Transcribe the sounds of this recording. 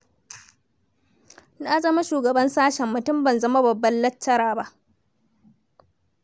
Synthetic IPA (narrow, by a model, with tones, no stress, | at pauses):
na˦zɐ˦ma˦ʃuː˨ɡɐ˨bɐ˦nsaː˦ʃɛ˨mːʊ˨tʊ˦mbɐ˨nzɐ˦ma˦bɐ˨bːɐ˦nlɐ˦tːɐ˦ɾaː˨ba˦ʔ